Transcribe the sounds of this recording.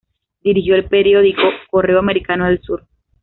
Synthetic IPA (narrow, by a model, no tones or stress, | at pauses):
d̪iɾixjo̞elpeɾjo̞ðikoko̞re̞oame̞ɾikanoðelsuɾ